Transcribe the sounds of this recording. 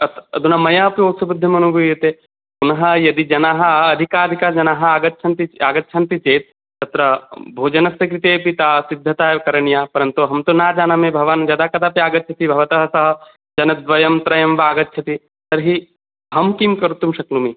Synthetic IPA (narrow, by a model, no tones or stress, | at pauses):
ɐt̪ʰɐd̪ʱunɐmɐjaːpioːsɐbud̪ʱːɐmɐnuɡʱujɐt̪e | unɐɦɐ̆jɐd̪id͡ʒɐnaːɦɐ̆ːd̪ʱikaːɾikad͡ʒɐnaːɦɐ̆aːɡɐtːʃʰɐnt̪iaːɡɐtːʃʰɐnt̪it͡ʃeːt̪̚ | t̪ɐt̪ɾɐbʱoːd͡ʒɐnɐsjɐkɾit̪eːpit̪aːsid̪ʱːɐt̪aːkɐɾɐɳjaːpɐɾɐnt̪uɦɐmt̪unaːd͡ʒaːnɐmebʱɐʋaːnd͡ʒɐd̪aːkɐd̪aːpiaːɡɐt̪ːt͡ʃʰɐt̪ibʱɐʋɐt̪ɐɦɐsɐɦɐ̆ | d͡ʒɐnɐd̪ʋɐjɐmt̪ɾɐjɐmʋaːɡɐt̪ːʃʰɐt̪i | t̪ɐɾɦi | ɦɐmkimkɐɾut̪ːumʃɐklumi